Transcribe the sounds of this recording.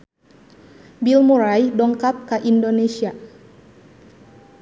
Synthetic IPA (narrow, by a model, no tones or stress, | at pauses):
bilmuɾajdɔŋkap̚kaʔindonesia